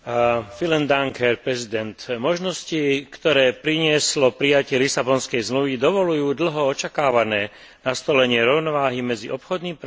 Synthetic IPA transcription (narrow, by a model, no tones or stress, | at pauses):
filɛnd̪aŋkɛɾpɾɛzid̪ɛnt̪mɔʒnɔscikt̪ɔɾɛːpɾiɲɪɛslɔpɾijacɪɛlisabɔnskɛjzmluʋid̪ɔʋɔlujuːd̪l̩ɦɔɔt͡ʃakaːʋanɛː | nast̪ɔlɛɲɪɛɾɔʊnɔʋaːɦimɛd͡ziʔɔpxɔd̪nimp